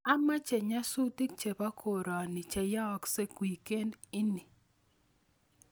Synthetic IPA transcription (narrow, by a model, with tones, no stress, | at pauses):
a˦ma˦t͡ʃe˨ɲa˦su˦ti˦k̚t͡ʃe˨pa˦kʰo˨ɾɔ˨nɪ˨t͡ʃe˨ja˦ɔ˨kse˦kwi˨ke˦nɪ˦ni˨